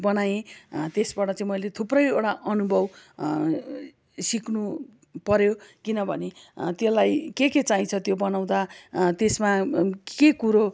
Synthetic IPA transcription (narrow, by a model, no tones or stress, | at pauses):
bʌnajẽt̪esbaʈʌt͡saĩmʌjlet̪ʰuprʌjeɽaʔʌnubʱʌb | siknu | pʌɾjokinʌbʱʌ̰net̪jelajkeket͡saɦĩt͡sʰʌt̪jobʌnaw̃d̪at̪esmakekuɾo